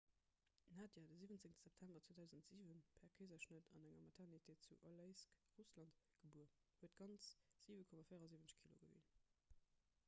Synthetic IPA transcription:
naːdjadəziːvənt͡seŋtəz̥æp̚tʰæmbɐt͡swoːdæʊzəntz̥iːvənpʰɛɐkʰəɪzɐʃnətʰɑnæŋɐmɑtʰɛʁnitʰeːt̚t͡suʔoləɪskʁuslɑntɡ̥əbuɐhuətɡ̥ɑnt͡sz̥iːvəkʰɔmafiɪəʁɑziːvənəɕkʰilo̰ɡəvḭn

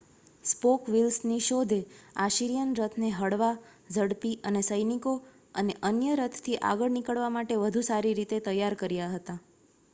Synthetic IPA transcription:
spokʋilsniʃod̪ʱeaʃiɾijənɾət̪ʰneɦəɽʋa | d͡ʒəɽpiʔənesəjniko | əneʔənjəɾət̪ʰt̪ʰːiʔa̰ɡəɭnikəɭʋamaʈeʋəd̪ʱusaɾiɾit̪et̪əjːaɾkəɾjaɦət̪a

